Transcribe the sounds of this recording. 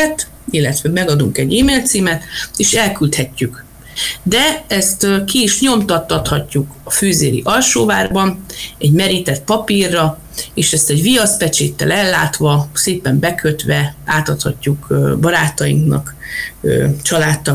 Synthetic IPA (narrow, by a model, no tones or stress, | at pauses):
t̪ | ilːɛt̪ʋɛmɛɡɒd̪uŋkɛɟiːmeːlt̪siːmɛt̪eːʃɛlkylt̪hɛcːyk | d̪ɛɛst̪kiːʃɲo̞mt̪ɒt̪ːɒt̪hɒcːukɒføːzeːɾḭʔɒlʃoːvaːrbɒnɛɟmɛɾit̪ɛt̪̚pɒpirːɒ | eːʃɛst̪ɛɟvijɒspɛt͡ʃeːt̪ːɛ̰lɛlːaːt̪ʋɒseːpɛmbɛkʰøt̪ʋɛaːt̪ɒt̪hɒcːukbɒɾaːt̪ɒjḭŋknɒ̰køt͡ʃɒlaːt̪ːɒ